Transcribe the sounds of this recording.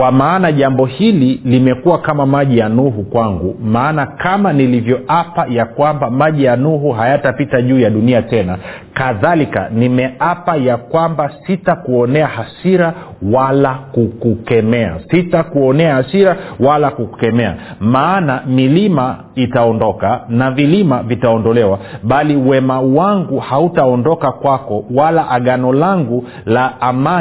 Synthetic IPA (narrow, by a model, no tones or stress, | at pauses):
kwamaːnaʄambɔhililimɛkuwakamamaʄijanuɦukwaŋɡumaːnakamanilivjɔʔapajakwambamaʄijanuɦuɦajatapitaʄuːjaɗuniatɛnakaðalika̰nimɛapajakwambasitakuɔnɛahasiɾawalakukukɛmɛa̰sitakuɔnɛahasiɾawalakuku̥kɛmɛa̰maːnamilima | itaɔndɔkanavilimavitaɔndɔlɛwaɓaliwɛmawaŋɡuhautaɔndɔkakwakɔwalaʔaɠanɔlaŋɡu | laːma